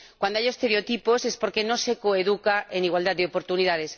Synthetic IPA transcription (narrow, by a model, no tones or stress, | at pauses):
kwand̪oajoest̪eɾeot̪iposespoɾkenõsekoeðukaʔeniɣwald̪aðd̪eopoɾt̪uniðaðes